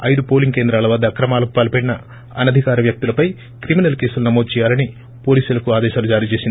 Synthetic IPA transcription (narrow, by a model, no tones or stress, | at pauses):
ɐ̰jd̪upo̞ːliŋɡkend̪ɾaːlɐʋɐːd̪ːɐːkɾɐmaːlɐku̥paːlpeɽinɐ | ɐnɐd̪ʱikaːɾɐʋjɐk̚t̪ulɐpɐj | kɾiminɐlkeːsulunɐmo̞ːd̪ut͡ʃɛjaːlɐni | po̞ːliːsulɐkuaːd̪ɛːʃaːlud͡ʒaːɾiːt͡ʃe̞ːsin